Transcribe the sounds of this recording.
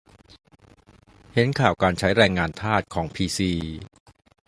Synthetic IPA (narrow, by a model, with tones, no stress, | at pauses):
he˩˦˥nkʰaː˨˩wkaː˧nt͡ɕʰa˦˥jɾɛː˧ŋːaː˧nt̪ʰaː˥˩t̪̚kʰɔː˩˦ŋpʰiː˧siː˧